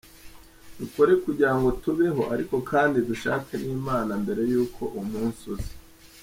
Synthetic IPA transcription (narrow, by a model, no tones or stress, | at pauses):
duko̞ɾe̞kuɟiɾaŋɡotuβe̞ɦo̞ʔaɾiko̞kʰaːndiduʃaːkaniːmaːnambe̞ɾe̞juːkʰo̞ʔumuːnsuze̥